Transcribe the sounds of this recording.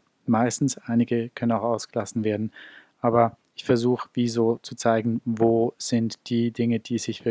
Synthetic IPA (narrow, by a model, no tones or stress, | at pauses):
maɪstn̩sʔaɪnɪɡəkʰœnənaʊxaʊsɡ̥əlasn̩veːɐdn̩ʔaːbɐ | ɪçfɛɐzuːxəv̥iːzoːt͡sut͡saɪɡn̩voːz̥ɪntd̥iːdɪŋəd̥iːz̥ɪçv̥ɪ